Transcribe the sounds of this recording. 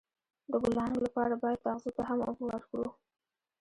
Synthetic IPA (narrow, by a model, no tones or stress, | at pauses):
d̪əɡʊlaaŋɡlapɑɾabɑjad̪̥̚t̪aɣzot̪aɦamo̰bwaɾkɽu